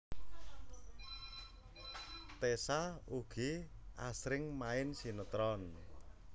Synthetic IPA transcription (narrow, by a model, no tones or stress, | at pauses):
t̪esauɡ̥iʔa̰sɾɪŋmaɪnsinət̪ɾɔn